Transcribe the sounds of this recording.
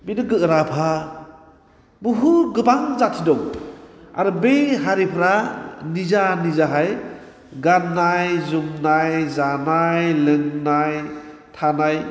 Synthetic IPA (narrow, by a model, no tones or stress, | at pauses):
binɯɡɯɾapʰa | buɦuɡɯbaŋzatʰidɔŋ | a̰ɾɯbeɦaɾipʰɾanizanizaɦaj | ɡanːajzumnajzanajlɯŋnajtʰanaj